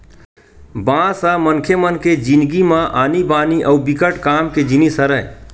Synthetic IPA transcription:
bãsə̃mənkʰemənked͡ʒinɡimãʔanibaːniʔəubikəʈkaːmked͡ʒinisəɾəj

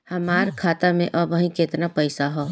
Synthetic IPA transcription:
hɐmaːɾkʰaːt̪amẽʔɔːbəɦĩkeːt̪napəɪsaɦoː

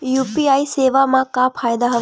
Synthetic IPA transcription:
juːpiajseːʋamakapʰaːjd̪aɦɐ

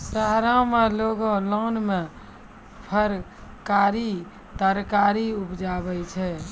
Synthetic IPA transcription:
saɦɾãmeloɡõlɔnme | pʰəɾ | kaɾi | t̪əɾkaɾiupd͡ʒabɛt͡ʃʰɛ

